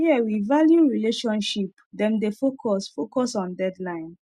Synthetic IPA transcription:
iɛwivaljuɹileʃɔ̃nʃip | dɛ̃mdefokʰɔsfokɔsɔ̃ndɛdlãɪ̃n

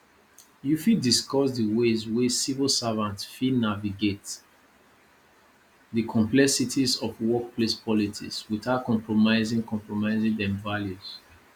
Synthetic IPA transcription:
jufidiskɔsdəwezwesivəlˠsavãntfinaviɡet | dəkʰɔ̃mplɛsitʰizɔfwɔk̚plespʰɔlitʰḭkswiθaʊt̚kɔ̃mpʰɹɔmaɪzĩŋkɔ̃mpʰɹɔmaɪzĩŋdɛ̃mvaljuz̥

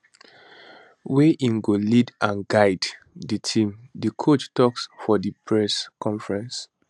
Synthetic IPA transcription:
weʔĩŋɡolidãnɡaɪd | ditʰĩmdikʰot͡ʃtɔksfɔdipʰɹɛskɔ̃ɱfɹɛ̃ns

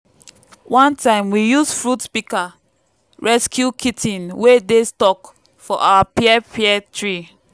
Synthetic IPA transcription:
wʔãntãɪ̃mwijusfɹutspika | ɹɛskʰjukʰitʰĩnwedestɔk | fɔʔa̰wapiɛpʰiɛtɹi

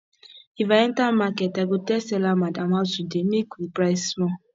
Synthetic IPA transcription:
ivaɛntamakɛtaɡotɛsɛlamadamazudemikʷipɾaɪssmɔ

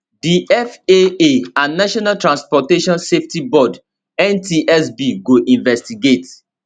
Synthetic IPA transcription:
diɛfeeãnːaʃɔnaltɹãnspɔteʃɔ̃nseftibɔd | ɛ̃ntiʔɛsbiɡoʔĩnvɛstiɡet

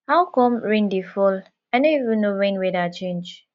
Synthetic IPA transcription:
haʊkɔ̃mɹẽndifɔl | aɪnoivũnnoɹẽnwedat͡ʃẽnd͡ʒ

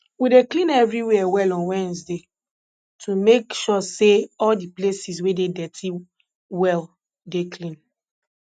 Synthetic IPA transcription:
wideklĩnɛvɹiwɛɛwɛlɔ̃nwɛ̃nsde | tʰumekʃɔseɔldiplesiswededɛtʰi | wɛl | deklĩn

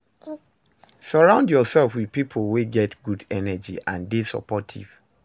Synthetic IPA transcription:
səɹãʊ̃ndjɔsɛlfwið̥pipʰlweɡɛtɡ̥udɛnɛd͡ʒḭʔãndisɔ̰pɔtʰḭv̥

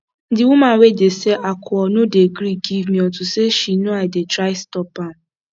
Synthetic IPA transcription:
n̩dɪwʊmawedeseʔakʰʊɔnʊdeɡɾiɡivmĩɔtʊseʃinuaɪdetɾaɪstɔpam

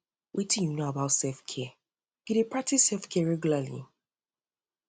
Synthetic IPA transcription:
wʔitĩnjunoabaʊtsɛfkʰɛ | ɡ̥iɾepɹak̚tʰisɛlfkʰɛaɹɛɡjulalḭ

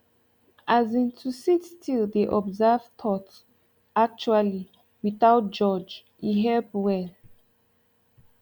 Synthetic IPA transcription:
ʔazĩntʰusitstʰildeʔɔbzav̥t̪ʰɔt | ak̚t͡ʃuali | wiθaʊt̚d͡ʒɔd͡ʒ | iɦɛlpwɛl

